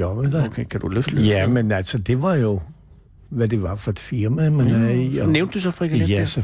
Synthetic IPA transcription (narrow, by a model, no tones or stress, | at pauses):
ɒʋed̥ækʰekʰæd̥uløfljæmenælsɒd̥e̝ʋɑ̈jo̝ | ʋæd̥e̝ʋɑ̈fɒ̽d̥fiɐmæmænæiɒneʊnd̥d̥usɒfʁiɡ̥jæsɒ